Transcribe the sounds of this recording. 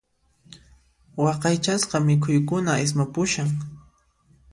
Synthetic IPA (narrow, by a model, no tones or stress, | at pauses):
wɑqɑjt͡ʃasqɑmɪkʰʊjkʊnaɪs̬mapʊʃaŋ